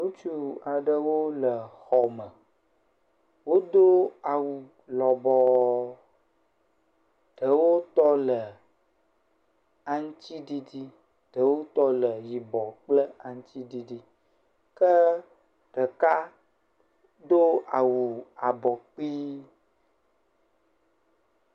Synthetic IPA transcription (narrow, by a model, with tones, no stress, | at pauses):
nu˦t͡ʃu˦a˨ɖə˦wo˦lə˨xɔ˨mə˨ | wo˦d̪o˦a˨wu˨ | lɔ˨bɔ˨ | ɖ̥ə˨wo˦t̪ɔ˦lə˨ | a˨ŋ˦t̪i˦ɖi˦di˦ | ɖ̥ə˨˦wo˦t̪ɔ˦lə˨ji˨bɔ˨k͡plə˦a˨ŋ̩̃˦t̪i˦ɖi˦ɖi˦ | kə˦ | ɖ̥ə˨ka˦ | d̪o˦a˨wu˨a˨bɔ˨k͡pi˦